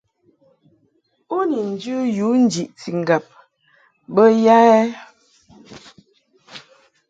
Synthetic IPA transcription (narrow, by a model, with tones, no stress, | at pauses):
o˦ni˨n̩˨d͡ʒə˦ju˨˦n̩˦d͡ʒi˨ʔti˨ŋ̩˨ɡa˨p̚ | bə˦ja˦ɛ˦